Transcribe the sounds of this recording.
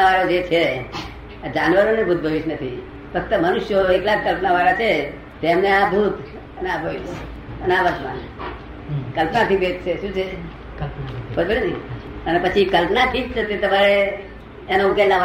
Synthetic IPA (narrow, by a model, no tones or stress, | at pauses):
aʋaɾod͡ʒet͡ʃʰe | d͡ʒanʋəɾonebʱud̪̚ʱbʱəʋiʃnət̪ʰḭ | fək̚t̪əmənʊʃjoeklad͡ʒkəlpnaʋaɾat͡ʃʰe | t̪emneabʱut̪ | əneabʱəʋiʃ | ənaʋəɾt̪ma̰n | kəlpnat̪ʰibet̪t͡ʃʰeʃũt͡ʃʰe | pbud̪bəɾni | ənepət͡ʃʰikəlpnaʈʰikt̪ət̪et̪əmaɾeː | noũkelaʋa